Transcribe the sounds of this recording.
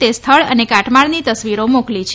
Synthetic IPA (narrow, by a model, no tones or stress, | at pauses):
t̪est̪ʰəɭənekaʈmaɭnit̪əsʋiɾomoklit͡ʃʰ